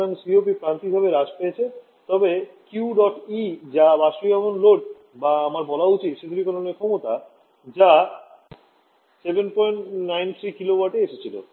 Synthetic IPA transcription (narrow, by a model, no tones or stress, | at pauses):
ansiopipɾant̪ibʱabeɾad͡ʑpeet͡ɕʰe | t̪ɔbekjuɖɔʈid͡ʑabaʃɾibabonloʈ | baamaɾbɔlaut͡ɕit̪ʃed̪iɾikononikʰɔmot̪a | d͡ʑa | sebenpɔjɳʈnajnt̪ʰɾikilowaɾʈeeʃet͡ɕʰilo̰